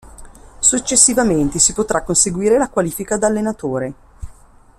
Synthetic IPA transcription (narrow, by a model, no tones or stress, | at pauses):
sut͡ʃːesːivament̪esipot̪ɾʔakːonseɡwiːɾelakwaliːfikad̪alːenat̪oːɾe